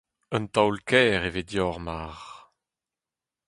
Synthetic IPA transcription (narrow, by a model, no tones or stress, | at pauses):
œ̃nt̪awlkʰɛːʁeved̪jɔʁmaʁ